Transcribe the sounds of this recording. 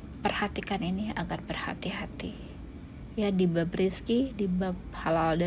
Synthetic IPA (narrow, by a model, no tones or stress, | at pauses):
pərhat̪ikaninia̰ɡarbərha̰t̪iɦat̪i | jadibabɾiskidibap̚halalda